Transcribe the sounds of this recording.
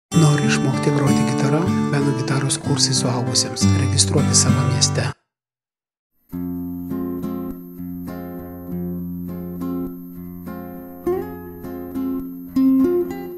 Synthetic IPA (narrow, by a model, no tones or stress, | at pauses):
noːɾʲɪɪʃmoːkʲːt̪ʲɪpɾoːt̪ʲɪɡʲɪt̪ɐɾɐʋʲæːd̪oɡʲɪt̪ɑːɾoskʰuːɾsɛɪsʊɑˑlˠbʊsʲeːmsɾʲɛɡʲɪst̪ɾuɔt̪ʲɪsɑːʋɐmʲiɛsʲt̪ʲɛ